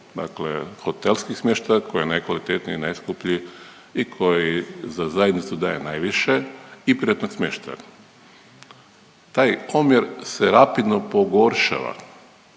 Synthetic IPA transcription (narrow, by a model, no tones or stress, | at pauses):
d̪a̰klḛxo̞t̪elˠskixsmʲjeːʃt̪ajakojenajkʋalit̪et̪niinajskupʎi | ikʰo̞jjizazajed̪nit̪sud̪a̰jḛnajʋiʃeipɾiat̪noɡsmʲjeːʃt̪a̰ | t̪aːjomjeɾseɾapid̪nopo̞ɡo̞ɾʃa̰ʋa̰